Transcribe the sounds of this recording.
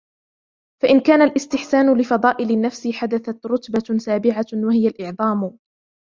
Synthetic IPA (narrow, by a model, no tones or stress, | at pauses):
faʔɪnkaːnalʔɪst̪ɪħsaːnʊlɪfɑd̪ˤɑːʔɪlɪnːafsɪħad̪aθat̪ɾˤʊt̪basaːbɪʕawahɪjalʔɪʕðˤɑːmʊ